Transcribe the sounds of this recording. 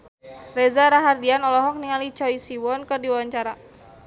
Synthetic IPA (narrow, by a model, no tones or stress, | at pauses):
rezaɾaɦardianɔlɔɦɔk̚niŋalit͡ʃɔisiwɔnkɨrdiwawaɲt͡ʃaɾa